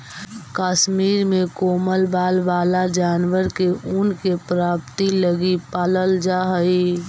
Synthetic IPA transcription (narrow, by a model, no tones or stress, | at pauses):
kaːʃmiːɾmẽkoːməlbaːlbaːlad͡ʒaːnʋəɾkeʔunkepɾaːpt̪iləɡipaːləld͡ʒaːɦəi